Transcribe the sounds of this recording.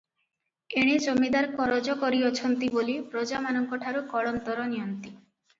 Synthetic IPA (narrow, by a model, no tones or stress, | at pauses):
eɽ̃id͡ʒomid̪aɾkɔɾɔd͡ʒɔkɔɾiɔt͡ʃʰɔnt̪ibolipɾod͡ʒamanɔŋkɔʈʰaɾukɔɭɔnt̪ɔɾɔnijɔnt̪i